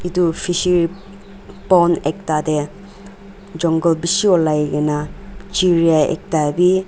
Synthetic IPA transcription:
idupʰisiɾi | pɔnek̚tade | d͡ʒɔŋɡɔlbisiɔlajɡenat͡ʃiɾiaḛk̚tabi

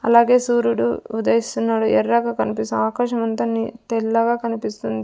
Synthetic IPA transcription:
ɐ̰laːɡe̞ːsuːɾuɽṵud̪ɐjist̪unːaːɽuʔɛrːaːɡaːkɐnipist̪aːkaːʃɐmɐnt̪ɐnːit̪ɛlːɐɡaːkɐnipist̪und̪i

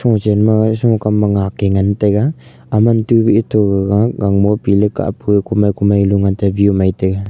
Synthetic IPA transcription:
sɔŋt͡ʃenmasɔŋkamːaŋakeŋantajɡa | amantubiitʰɔɡaɡaɡaŋbɔpilɯka̰ʔpukumajkumajluŋantabiumajtaɡa

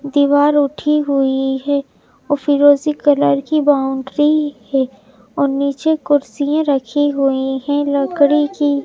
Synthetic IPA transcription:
d̪iːʋaːɾʊʈʰiɦʊiɦɛː | ofiɾoːzikɐləɾkibaːʊ̃ɳɖɾihɛ | ɔːɾniːt͡ʃekʊɾsijãɾɐkʰiɦʊiɦɛ̃lɐkɽiki

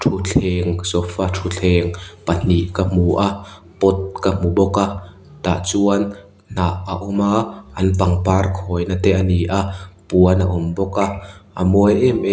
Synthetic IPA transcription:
tʰut͡ɬʰɛŋsɔfatʰut͡ɬʰɛŋpɐn̥iʔkam̥uʔa | pɔt̪̚kamubɔka | t̪a̰ʔt͡suən | n̥aʔaʔʊmaʔɐnpɐŋparkʰɔːjnat̪ɛʔaniʔaʔpuənaʔʊmbɔkaʔamɔjʔɛmʔɛ

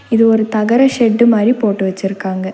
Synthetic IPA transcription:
iðuoɾut̪ɐɡɐɾɐɕeɖːumaːɾipːo̞ːʈːɨʋɐt͡ɕːirukːaːŋɡɐ

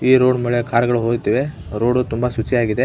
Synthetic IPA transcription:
iːɾoːɖmeɭekʰaːɾɐɡɐɭuɦoːɡt̪iːʋe̞ | ɾoːɖut̪umbasut͡ʃːijaːɡid̪e

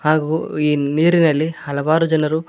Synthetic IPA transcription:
ɦaːɡuiːniːɾinɐlːihɐlɐʋaːɾud͡ʒɐnɐɾu

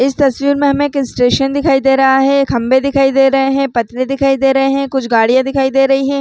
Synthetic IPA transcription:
ɪst̪ɐsʋiːɾmẽɦɐmẽːkɪ̃sʈeːʃənd̪ɪkʰaːid̪eːɾɐɦaɦɛkʰɐ̃mbed̪ɪkʰaːid̪eːɾɐɦeɦɛ̃pɐt̪nẽd̪ɪkʰaːid̪eːɾɐɦeɦɛ̃kʊt͡ʃʰɡaːɽijãd̪ɪkʰaːid̪eːɾɐɦiɦɛ̃ː

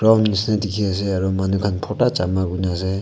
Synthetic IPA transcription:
ɡɾawnisʰnatikʰias̬eaɾumanukʰanpʰɔtat͡ʃamabunase

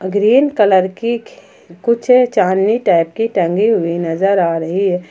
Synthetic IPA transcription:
ɡɾiːnkələɾki | kʊt͡ʃʰet͡ʃaːnːiʈaːɪp̚kiʈɐ̃ŋɡiɦʊinɐzəɾaːɾɐɦiɦɛː

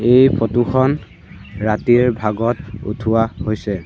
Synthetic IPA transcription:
ejpʰotuxʰɔn | ɹatiɹbʱaɡɔtṵtʰuwahojsɛ

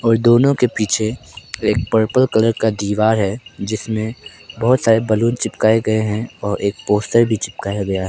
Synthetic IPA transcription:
ɔːɾd̪oːnõkepiːt͡ʃʰeeːk̚pəɾpəlkɐləɾkad̪iːʋaːɾɦɛd͡ʒɪsmẽbɐɦʊt̪saːɾebɐluːnt͡ʃɪpkaːeɡɐeɦɛ̃ɔːɾʔeːk̚poːsʈəɾbʱit͡ʃɪp̚kaːjaɡɐjaɦɛ

